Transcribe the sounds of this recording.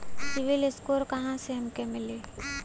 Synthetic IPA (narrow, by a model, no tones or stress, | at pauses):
sɪʋɪlɪskoːɾkɐɦãseɦɐmkemɪle